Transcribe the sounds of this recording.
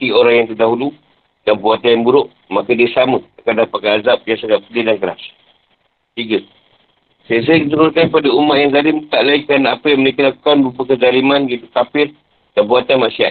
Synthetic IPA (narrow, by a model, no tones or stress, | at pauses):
t̪ioɾaŋjaŋt̪ərdaɦulu | kabuat̪ajaŋbuɾʊʔ | makədiəsaməakadapakaazap̚biasaɡaʔpəlidankəɾa̰s | t̪iɡə | sajəs̬ajəkit̪uɾulkankəpadaumat̪̚jaŋzalɪmt̪aʔlaikanapəjaŋməɾekəlaku̥kanbuupəkəzalimanəɡit̪ukafɪr | kabuat̪anmasia̰t̪̚